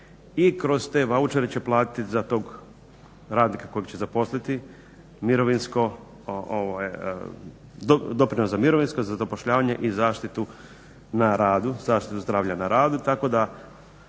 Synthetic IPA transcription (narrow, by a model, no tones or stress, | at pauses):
ikɾo̞zt̪e̞ʋaut͡ʃeɾet͡ɕe̞plˠaːt̪i̥t̪izat̪o̞ːɡ | ɾaːd̪nikako̞jeɡt͡ɕezapo̞slit̪i | miɾo̞ʋinsko̞ | oʔoʋaj̰ | d̪od̪o̞pɾinosamiɾo̞ʋinskozazapo̞ʃʎaːʋaɲeʔizaːʃt̪it̪u | naɾaːd̪uzaːʃt̪it̪uzd̪ɾaːʋʎanaɾaːd̪ut̪ako̞d̪a